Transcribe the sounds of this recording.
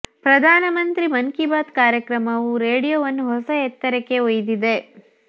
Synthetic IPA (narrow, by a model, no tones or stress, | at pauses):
pɾɐd̪ʱaːnɐmɐnt̪ɾimɐŋkibaːt̪kaːɾjɐkɾɐmɐʋuɾeːɽijoʋɐnːuɦɔsɐɛt̪ːɐɾekːe̞ojd̪id̪e̞